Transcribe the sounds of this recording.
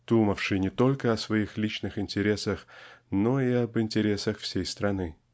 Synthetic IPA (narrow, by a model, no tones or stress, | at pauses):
d̪̥uməfʂɨjnʲɪt̪o̞lʲkəɐsvɐixlʲit͡ɕnɨxɪnʲtʲɪɾʲe̞səxnoiɐbɨnʲtʲɪɾʲe̞səxfsʲejst̪ɾɐnɨ